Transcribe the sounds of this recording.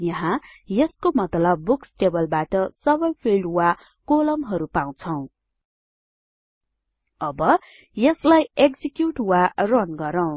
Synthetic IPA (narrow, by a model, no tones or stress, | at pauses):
jʌɦãjeskomʌt̪lʌb̚ːuksʈebʌlbaʈʌsʌbʌjpʰilɖwa | kolʌmɦʌɾupaw̃t͡sʰʌw̃ | ʌbʌ | jeslajekd͡zikjuʈwarʌnɡʌɾʌw̃